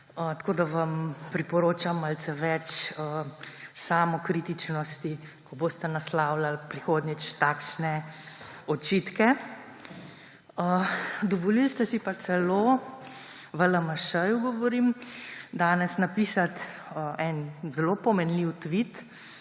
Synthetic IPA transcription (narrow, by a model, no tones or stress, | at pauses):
ət̪ḁkoːd̪aʋampɾipɔɾoːt͡ʃamalt̪sɛʋɛt͡ʃəsaːmɔkɾiːt̪it͡ʃnɔst̪i | kɔbost̪ɛnaslaːwlalpɾixoːd̪nit͡ʃt̪aːkʃnɛ | ɔt͡ʃiːt̪kɛ | əd̪ɔʋɔlilst̪ɛsipasɛlo | ʋələməʃəjuɡɔʋɔɾiːmd̪aːnɛsnapiːsat̪əʔɛnzɛlopɔmɛnliwt̪ʋit̪